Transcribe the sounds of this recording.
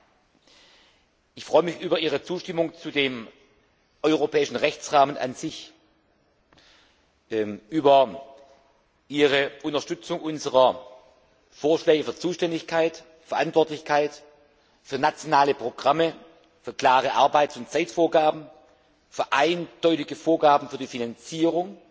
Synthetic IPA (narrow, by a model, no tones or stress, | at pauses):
ʔɪçfʁ̥ɔʏəmɪçʔyːbɐʔiːʁ̞ət͡suːʃtɪmʊŋt͡sudeːm | ʔɔʏʁopʰɛːɪʃn̩ʁɛçt͡sʁaːmənʔa̰nz̥ɪç | ʔyːbɐ | ʔiːʁəʔʊntɐʃtʏt͡sʊŋʔʊnzəʁɐ | foːɐʃlɛːɡəfyːɐt͡suːʃtɛndɪçkʰaɪt | fɛɐʔantv̥ɔɐtlɪçkʰaɪt | fyːɐnat͡sjonaːləpʁ̥oɡʁamə | fyːɐkl̥aːʁəʔaɐbaɪtʊnt͡saɪtfoːɐɡaːbm̩ | fyːɐʔaɪnd̥ɔʏtɪɡəfoːɐɡaːbn̩fyːɐdiːfinant͡siːʁʊŋ